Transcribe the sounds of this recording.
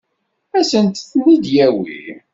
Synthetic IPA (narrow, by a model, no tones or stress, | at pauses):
æsənt̪θnid̪jæwḭ